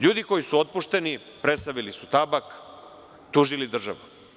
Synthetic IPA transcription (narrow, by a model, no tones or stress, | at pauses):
ʎuːd̪iko̞jisuot̪̚puʃt̪e̞ni | pɾe̞t̪saʋilisut̪abak | t̪uːʒilid̪r̩ʒa̰ʋu